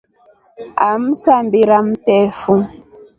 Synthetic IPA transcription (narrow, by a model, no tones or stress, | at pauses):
am̩sambiɾamtɛfu